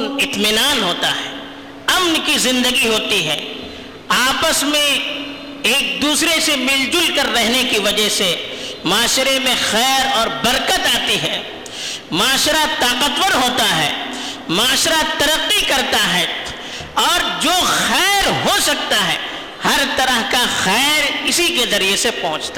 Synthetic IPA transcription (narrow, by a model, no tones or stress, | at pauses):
nɪt̪mɪnaːnɦoːt̪aɦɛː | ɐmnkizɪ̃nd̪əɡiɦoːt̪iɦɛː | aːpəsmẽ | eːk̚d̪uːsɾesemɪld͡ʒʊlkɐɾːɛɦnekiʋɐd͡ʒəɦsemaːʃɾemẽxɛːɾɔːɾbɐɾkət̪aːt̪iɦɛː | maːʃɾat̪aːqət̪wəɾɦoːt̪aɦɛ̰ː | maːʃɾat̪ɐɾəqːikɐɾt̪aɦɛː | ɔːɾd͡ʒoːxɛːɾɦosɐk̚t̪aɦɛː | hɐɾt̪ɐɾəɦkaxɛːɾɪsikezɐɾiesepɐɦʊ̃t͡ʃt̪ḁ